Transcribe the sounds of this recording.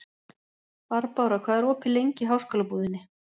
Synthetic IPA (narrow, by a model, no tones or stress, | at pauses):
vaɾpawɾakʰvaːðɛɾɔːpʰɪlejɲcɪɦawskœːlapuːðɪnːɪ